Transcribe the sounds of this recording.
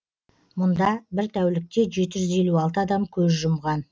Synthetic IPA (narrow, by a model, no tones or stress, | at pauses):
mʊnd̪ɑbɪɾt̪ʰæwlɪk̚t̪e̞ʒe̞t̪ɪʒʏze̞luɑlˠt̪əɑd̪ɑmkʲʰɵzʒʊmʁɑn